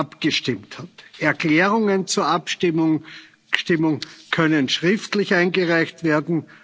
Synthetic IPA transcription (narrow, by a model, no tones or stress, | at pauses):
apɡ̥əʃtɪmthatʔɛɐkl̥ɛːʁʊŋənt͡suːɐʔapɪmʊŋ | ʃtɪmʊŋkʰœnənʃʁɪftlɪçaɪnɡəʁaɪçtv̥eːɐdn̩